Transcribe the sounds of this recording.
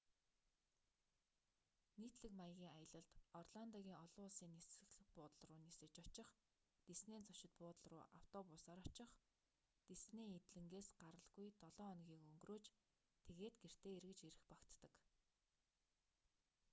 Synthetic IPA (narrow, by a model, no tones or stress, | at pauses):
niːt̪ɮɘ̆kmajə̆ɣʲiːŋajə̆ɮə̆ɮt̪ɔrɮant̪ɔɣʲiːŋɔɮʊːɮsiːnesɘ̆ɣɮɘ̆pʊːt̪ə̆ɮrʊːnesɘ̆t͡ɕɔt͡ɕɪ̆χ | t̪esneːnt͡sɔʃɪ̆t̪̚pʊːt̪ə̆ɮrʊ̰ːʔaw̥t̪ɔpʊsaːɾɔt͡ɕɪ̆χ | t̪esneːet̪ɮɘ̆ŋɡeːsɢaɾə̆ɮɣujt̪ɔɮɔːɔnɣʲiːkɵŋɡroːt͡ɕ | t̪ʰeɣeːt̪̚ɡer̥t̪eːerɣɘ̆t͡ɕeɾɘ̆xpakt̪ːə̆k